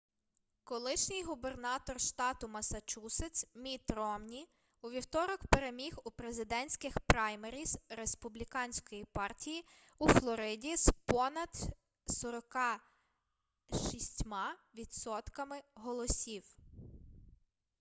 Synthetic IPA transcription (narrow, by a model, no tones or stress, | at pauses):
kɔlˠɪʃnʲɪjɦube̞rnɑt̪ɔrʃt̪ɑt̪ʊmɐsɐt͡ʃusɪt͡sʲmʲit̪ɾɔmnʲi | uʋʲiwt̪ɔɾɔkpeɾemʲixupɾezɪd̪ɛnʲsʲkɪxpɾɑjmeɾʲizɾespublʲikɑnʲsʲkɔjipɑrtʲiji | uflˠɔɾɪdʲispɔnɐd̪ | sɔɾɔkɑ | ʃisʲtʲmɑʋʲid̪sɔt̪kɐmɪɦɔlˠɔsʲiw